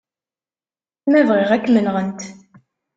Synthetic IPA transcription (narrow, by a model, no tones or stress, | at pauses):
θmævʁɪʁækːmənʁənt̪